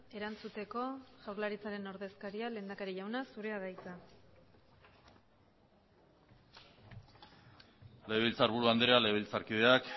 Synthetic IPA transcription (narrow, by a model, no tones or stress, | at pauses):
e̞ɾant͡sut̪e̞ko̞ʝawɾlaɾit͡saɾe̞no̞ɾðe̞skaɾiale̞ːnd̪akaɾiʝawnasuɾe̞aðajt͡s̪a | le̞βilt͡saɾβuɾuand̪ɾealeilt͡saɾkiðe̞ak